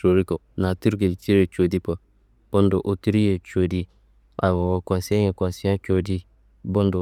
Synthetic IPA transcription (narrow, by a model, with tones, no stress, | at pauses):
o˨ɾi˦ko˨na˨ti˦ɾɡe˨t͡ʃi˦ɾe˨t͡ʃo˨di˦po˨ | b̥o˦ndo˨ʔo˨ti˦ɾi˦je˨t͡ʃo˨di˦ | a˨wo˨wo˨kʷa˨si˦a˦ɲe˨kʷa˨si˦a˦t͡ʃo˨di˦ | bo˦n˦do˨